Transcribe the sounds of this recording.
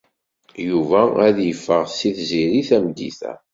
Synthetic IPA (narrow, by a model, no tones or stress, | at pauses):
juvææðjəfːəʁsiθziɾiθæmd̪ḭθæ̰